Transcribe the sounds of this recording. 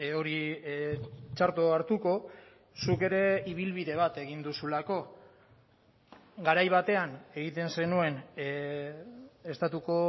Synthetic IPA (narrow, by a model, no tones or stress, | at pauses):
o̞ɾi | t͡ʃaɾt̪oaɾt̪uko̞ | suke̞ɾe̞iβ̞ilβiðe̞β̞at̪e̞ɣind̪usulako̞ | ɡaɾajβ̞at̪e̞ane̞ɣit̪e̞nse̞nue̞n | e̞st̪at̪uko̞